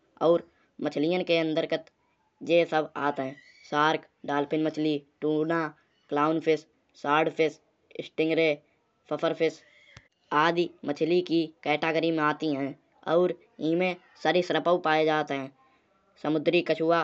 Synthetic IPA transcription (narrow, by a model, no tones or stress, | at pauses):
ɔːɾ | mət͡ʃʰlijənkeə̃nd̪əɾkət̪ | d͡ʒeːsəba̰ːt̪ɦɛ̃ː | saːɾk | ɖaːlpʰɪnmət͡ʃʰliʈũːnaː | klaːʊnpʰɪsː | aːɾɖpʰɪs | ɪsʈɪ̃ŋɡɾe | pʰəpʰəɾpʰɪs | aːd̪imət͡ʃʰlikikɛːʈaːɡəɾimẽaːt̪iɦɛ̃ː | ɔːɾ | iːmẽ | səɾɪsɾəpəwpaːed͡ʒaːt̪eɦɛ̃ː | səmʊd̪ɾikət͡ʃʰua